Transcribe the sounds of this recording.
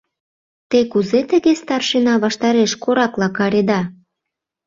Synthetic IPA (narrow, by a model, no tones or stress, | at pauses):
t̪ekuzet̪ə̆ɣest̪ɑrʃenɑβɑʃt̪ɑɾeʃkoɾɑklɑkɑɾed̪ɑ